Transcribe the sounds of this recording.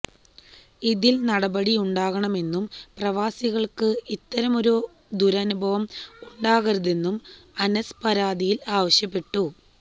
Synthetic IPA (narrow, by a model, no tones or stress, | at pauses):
iðilnɐɽɐbɐɽijuɳɖaːɣɐɳɐme̞nːumprɐʋaːsiɣɐɭkɨit̪ːɐɾɐmoɾu | d̪uɾɐnubʱɐʋɐmuɳɖaːɣɐɾuðe̞nːumɐnɐspɐɾaːd̪ijilaːʋɐɕjɐpːe̞ʈːu